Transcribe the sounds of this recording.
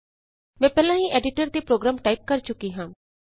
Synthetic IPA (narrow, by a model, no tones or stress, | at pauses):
mɛ̃ːpɛːlãːɦĩːʔɛːɖɪʈəɾt̪eːpɾoːɡɾaːmʈaːiːp̚kəɾt͡ʃʊkiːɦãː